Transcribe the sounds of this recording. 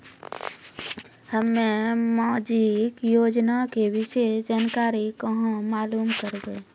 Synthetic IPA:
həmːẽmad͡ʒikjoːd͡ʒnakebɪʃeːsd͡ʒaːnkaːɾikəɦõmaːluːmkəɾbe

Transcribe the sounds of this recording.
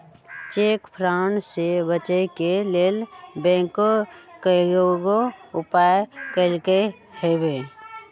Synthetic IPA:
t͡ʃeːkpʰɾansebət͡ʃəkeleːlbɛ̃ːŋkokəɡoɡoʊpaːjkəɾke | hebeː

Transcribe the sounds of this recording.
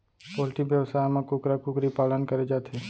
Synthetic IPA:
poːlʈikʋjəwsaːjmẽkʊkɾakʊkɾipaːlənkɐɾed͡ʒaːt̪ʰeː

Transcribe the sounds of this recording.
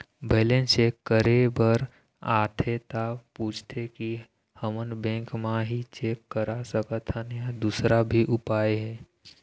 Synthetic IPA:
beːlẽnsekəɾebəɾ | aːt̪ʰet̪apuːt͡ʃʰt̪ʰeki | həmənbɛ̃kmãɦit͡ʃeːkːəɾasəkət̪ʰənɦad̪uːsɾabʱiʔʊpaːeɦɛː

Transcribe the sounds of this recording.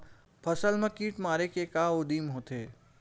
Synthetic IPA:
pʰəsəlmẽkiːʈmaːɾekekaːod̪iːmɦoːt̪eː

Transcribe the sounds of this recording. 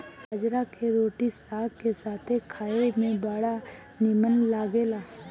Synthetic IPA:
ad͡ʒɾakʰeɾoːʈisaːɡkesaːt̪ʰekʰaːemẽbaːɽa | nimənlaːɡeːlaː

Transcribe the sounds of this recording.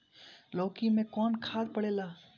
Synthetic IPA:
lɔːkimẽkɔːnkʰaːd̪̚pɐɽeːlaː

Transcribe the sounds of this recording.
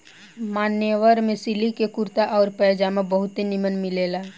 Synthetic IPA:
maːnjəʋəɾmẽsilikekʊɾt̪aʔɔːɾpɛːd͡ʒamãbəɦʊt̪ɦinimənmɪleːla

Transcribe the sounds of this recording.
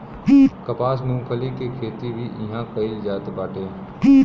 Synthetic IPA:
ikɐpaːsmũːkʰəlikekʰeːt̪ibʱiʔɪɦãkɐɪid͡ʒaːt̪baːʈʰeː | i

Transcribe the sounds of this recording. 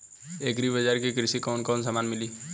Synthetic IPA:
eːkɾibəd͡ʒaːɾkikɾɪsikɔːnkɔːns̬aːmaːnmɪliː

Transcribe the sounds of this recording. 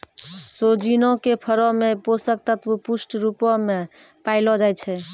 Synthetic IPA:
sod͡ʒinõkepʰəɾɔmeposək̚t̪ət̪əpusʈɾupɔme | paɪlɔd͡ʒaj̪t͡ʃʰɛ

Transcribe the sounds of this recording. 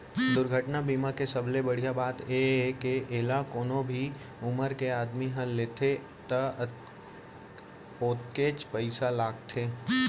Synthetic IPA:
d̪ʊɾɡʱəʈnabiːmakesɐblebɐɽ̤ijabaːt̪ekeʔelakoːnõbʱi | ʊməɾkeaːd̪miɦə̃leːt̪ʰe | t̪ɐ | oːt̪ket͡ʃpəɪsalaːɡ̚t̪ʰeː

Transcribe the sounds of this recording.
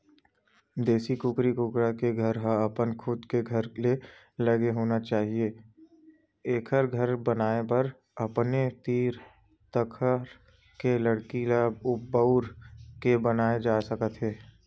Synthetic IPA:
d̪eːsikʊkɾikʊkɾakeɡʱɐɾɦãɐpənkʰʊd̪keɡʱəɾle | lɐɡeɦoːnat͡ʃaːɦieː | eːkʰəɾɡʱəɾbənaːepɐɾ | ɐpnet̪iːɾ | t̪əkʰəɾ | keləɽkilabʊbəʊɾkebənaːed͡ʒaːsəkət̪ɦɛː

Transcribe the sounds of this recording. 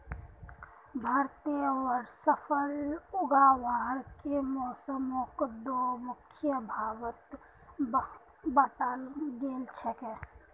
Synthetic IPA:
bʱəɾt̪eɔɾsəpʰəlʊɡaʋaɦɾkemɔːsəmõkd̪omʊkʰjəbʱaːʋət̪ | bəʈalɡeːlt͡ʃʰeke

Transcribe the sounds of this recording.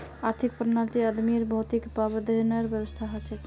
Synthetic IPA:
aɾt̪ʰik̚pɾnaɾt̪iəd̪miɾbɔut̪ikpabəd̪ənəjəɾbjəbəst̪ʰaɦot͡ʃʰɛ

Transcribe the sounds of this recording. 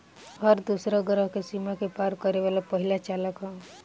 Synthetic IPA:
həɾd̪usɾəɡəɾəɦkesimakepaɾkəɾeβalapəɦilat͡ʃaləkã

